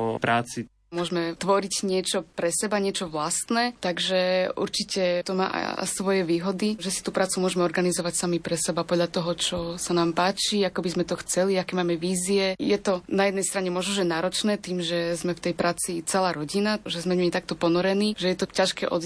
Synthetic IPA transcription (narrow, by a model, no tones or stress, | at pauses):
ɔ̰pɾaːt͡si | mʊɔʒmɛt̪ʋɔɾicɲɪɛt͡ʃɔpɾɛsɛbaɲɪɛt͡ʃɔʋlast̪nɛːt̪aɡʒɛṵɾt͡ʃicɛt̪ɔma̰ːʔa̰sʋɔjɛʋiːɦɔd̪iʒɛsi̥t̪uːpɾaːt͡sumʊɔʒɛmɛɔɾɡanizɔʋacsamipɾɛsɛbapɔd̪lʎat̪ɔɦɔt͡ʃɔsanaːmpaːt͡ʃiakɔbizmɛt̪ɔxt͡sɛliakɛːmaːmɛʋiːziɛjɛt̪ɔnajɛd̪nɛjst̪ɾaɲɛmʊɔʒnɔʒɛnaːɾɔt͡ʃnɛːt̪iːmʒɛzmɛft̪ɛjpɾʔaːt͡sit͡sɛlaːɾɔɟinaʒɛzmɛɲmit̪ak̚t̪ɔpɔnɔɾɛniːʒɛjɛt̪ɔcaʃkɛ̰ʔɔ̰d̪